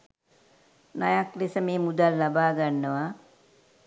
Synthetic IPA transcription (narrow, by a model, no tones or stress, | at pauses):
najaklesəmeːmud̪alːabaːɡanːəʋa